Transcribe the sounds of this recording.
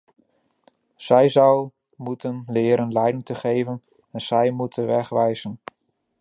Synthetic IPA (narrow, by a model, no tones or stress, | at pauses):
z̥ɛjzɑw | mutənlɪːɾənlɛjdɪŋtəχejvən | ɛnz̥ɛjmutʰənʋɛχʋɛjz̥ən